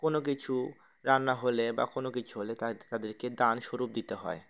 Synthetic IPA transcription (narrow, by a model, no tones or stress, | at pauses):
konok̬it͡ɕʰu | ɾanːaɦolebakonokit͡ɕʰuɦolet̪at̪ad̪eɾked̪anʃoɾup̚d̪it̪eɦɔ̰e